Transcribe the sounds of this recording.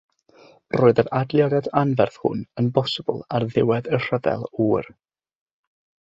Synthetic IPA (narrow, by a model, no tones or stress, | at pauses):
roːɨðəɾadlˠjɔdɛdanvɛrθhʊ̰nənbɔsəbə̰lˠarðɪwɛðər̥əvɛ̰lˠuːr